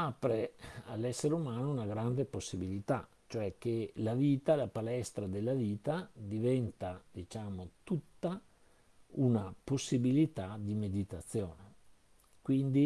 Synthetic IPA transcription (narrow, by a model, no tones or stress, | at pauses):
apɾealːɛsːeɾeumaːnounaɡɾand̪eposːibilit̪a | t͡ʃoɛk̟ːelaviːt̪alapalɛst̪ɾad̪elːaviːt̪ad̪ivɛnt̪ad̪it͡ʃaːmot̪ut̪ːa | unaposːibilit̪ad̪imed̪it̪at̪sːjoːne | kwind̪i